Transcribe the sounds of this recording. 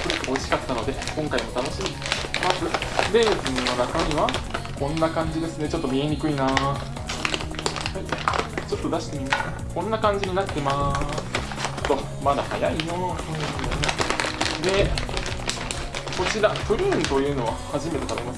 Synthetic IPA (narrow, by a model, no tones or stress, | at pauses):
ooɕi̥kat̪ːano̞d̪e̞kõ̞ŋkaimo̞t̪ano̞ɕimi | masɨbe̞zɨnno̞nakaɲ̟iβakõ̞nːakãɲ̟d͡ʑid̪e̞sɨne̞t͡ɕo̞t̪ːo̞mʲie̞ɲʲikɯ̟inaː | hait͡ɕo̞t̪ːo̞d̪aɕi̥t̪e̞mʲimaska | kõ̞nːakãɲ̟d͡ʑiɲ̟inat̪ːe̞masɨ̥ | t̪ːo̞ | mad̪ahajaijoɯ̃ | d̪e̞ | ko̞t͡ɕiɾat̪ɯɾʲiːnt̪o̞jɯ̟ːno̞βahaʑime̞t̪e̞t̪abe̞mas